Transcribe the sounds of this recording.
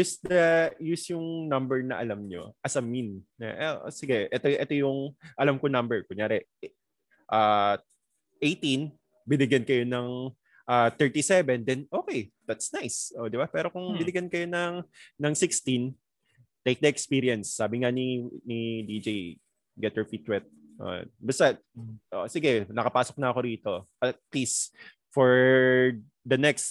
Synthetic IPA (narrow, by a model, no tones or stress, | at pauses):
jusd̪ɐjusjʊŋnɐmbɛɹnɐ̰ʔɐ̰lɐmɲo̰ʔɐsɐminːɐ̰ʔɛʔsɪɡɛʔɛt̪oʔɛt̪o̞jʊŋʔɐlamkonɐmbɛɹkʊŋjaːɾɛ | ʔaː | ʔejt̪in | bɪnɪɡjɐnkɐjo̞nɐŋ | ʔaːt̪ɛɹt̪isɛvɛnd̪ɛnʔoːkejd̪at̪snajsʔoːd̪ɪbapɛːɾo̞kʊŋbɪnɪɡjɐnkɐjo̞nɐŋnɐŋsɪkst̪in | t̪ejk̚d̪ɐɛkspiɾiɐnsːaːbɪŋaninid̪id͡ʒej | ɡɛt̪hɛɹfit̪wɛt̪̚ | no̰ʔo̰nbɐst̪ɐʔosɪɡɛnɐkɐpaːsok̚nɐɐko̞ɾiːt̪o̞ʔɐt̪̚lis | fɔɹ | d̪ɐnɛkst̪